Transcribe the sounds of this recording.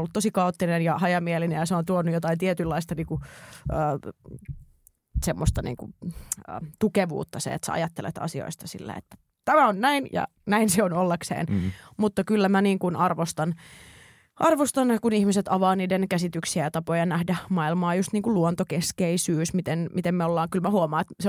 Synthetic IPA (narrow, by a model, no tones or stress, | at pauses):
olːut̪t̪osikɑot̪ːinenjɑhɑjɑmielinejɑseont̪uonːujot̪ɑint̪iet̪ylːɑist̪ɑniːŋkuʔəː | semːost̪ɑnḭːŋkṵə̰ːt̪ukeʋṵːt̪ːɑsḛḛt̪sæ̰ɑ̰jɑt̪ːelḛt̪ɑ̰sio̰ist̪ɑsḭlːḛḛt̪ːæ̥ | t̪æmæonnæinjɑ̰ | næinseonolːeksḛːnmut̪ːɑkylːæmæniːŋkunɑrʋost̪ɑn | ʔɑrʋost̪ɑnkunihmiset̪ɑʋɑːniːdenkæsit̪yksiæjɑt̪ɑpojɑnæhdæmɑilmɑːjust̪niːŋkuluont̪okeskeisyːsmit̪enmit̪emmeolːɑːŋkylmæhuomɑːet̪se